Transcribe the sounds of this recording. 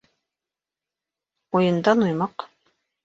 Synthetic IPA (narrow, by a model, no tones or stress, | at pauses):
ujɤ̆nd̪ɑnujmɑq